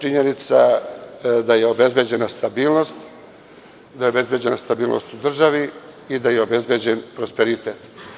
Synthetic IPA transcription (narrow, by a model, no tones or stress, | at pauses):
t͡ʃiɲe̞nit̪sa̰ | d̪aje̞o̞be̞zbed͡ʑe̞nast̪abiːlˠno̞st̪ | d̪ajeobezbje̞d͡ʑe̞nast̪abiːlnʔo̰st̪ud̪r̩ʒaʋiid̪ajeo̞be̞zbed͡ʑenpɾo̞speɾit̪eːt̪